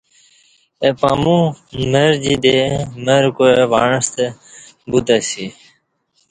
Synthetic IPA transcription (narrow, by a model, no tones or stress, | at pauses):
epaːmũːməɾd͡ʑiːd̪eːməːɾkoeʋaːɳəst̪e | but̪esiː